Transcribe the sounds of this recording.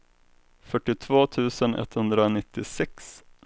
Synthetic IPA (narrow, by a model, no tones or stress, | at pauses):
fœʈːɪt̪ʰvoːt̪ʰʉ̟ːsənʔɛ̰t̪hɵnd̪ɾaɔnɪt̪ːɪsɛks